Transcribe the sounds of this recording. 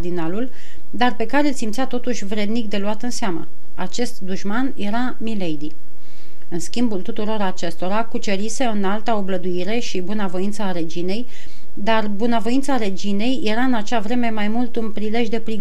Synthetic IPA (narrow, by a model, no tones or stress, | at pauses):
d̪inalul | d̪arpe̞kaɾelsimt̪sʲat̪o̞t̪uʃʲvɾe̞d̪nik̚d̪e̞luat̪ɨnseamə̰ | at͡ʃe̞st̪d̪uʃmanje̞ɾa | milejd̪i | ɨnskʲimbult̪ut̪uɾo̞ɾat͡ʃe̞st̪o̞ɾakut͡ʃe̞ɾise̞ɨnalt̪əo̞bləd̪uiɾe̞ʃibunavo̞jint̪səaɾe̞d͡ʒine̞j | d̪arbunəvo̞jint̪saɾe̞d͡ʒine̞jje̞ɾaɨnat͡ʃavɾe̞me̞majmult̪unpɾile̞ʒd̪e̞pɾiɡ